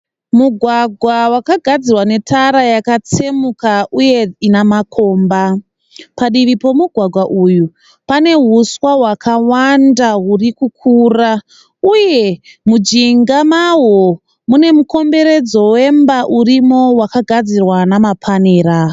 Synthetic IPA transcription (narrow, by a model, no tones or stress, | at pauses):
muɡʱwaɡʱwawakaɡʱad͡zirwane̞tʰaɾajakat͡se̞mukaʔuje̞inamakʰo̞ːmba | paɗiʋipo̞muɡʱwaɡʱwaʔuju | pane̞ɦuswaɦwakʰawandaɦurikuk̚ʰuːra | uje̞mud͡ʒiŋɡamawo | mune̞muko̞mbe̞ɾe̞d͡zo̞we̞mbaʔurimo̞wakaɡʱad͡zirwanamapʰaneːɾa